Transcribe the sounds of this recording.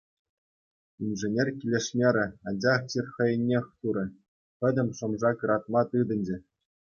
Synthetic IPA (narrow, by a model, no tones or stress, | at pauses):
imʲʐɘ̆nʲerʲkʲilʲeʂmʲeɾʲɘ̆ɑnʲd͡ʑɑχt͡ɕirʲχɤ̆jɘ̆nʲːexʲt̪uɾɤ̆ | pʲɘ̆dʲɘ̆mʲʂɤ̆mʐɑkɯɾɑt̪̚mɑt̪ɯd̪ɤ̆nʲd͡ʑɘ̆